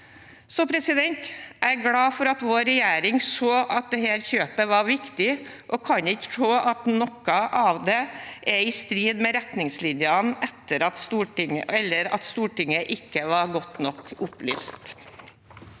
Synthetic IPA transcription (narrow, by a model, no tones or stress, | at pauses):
sɔpʰɾɛsɪd̪ɛnt̪ʔæɡlɑːfɔɾɑt̪ʋoːɾɛjæːɾɪŋsoːʔɑt̪̚d̪ɛhæːɾçøːpəʋɑɾʋɪkt̪ɪʔoːkʰɑɲɪkːə̥t̪ʰɾoːʔɑt̪nɔkːɑʔɑʋd̪ɛʔɛɪst̪ɾiːd̪mɛɾɛt̪nɪŋslɪnjɑnɛt̪ːəɾɑt̪st̪uːʈɪŋəɛlːəɾɑ̰t̪st̪uːʈɪŋəʔɪkːəʋɑɾɡɔt̪nɔkːʊply̰ːst̪